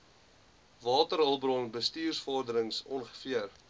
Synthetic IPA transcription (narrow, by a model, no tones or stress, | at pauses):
vɑːtəɾɦəlˠbrɔŋbəstiːrsfɔrdəɾəŋsɔnχə̥fiər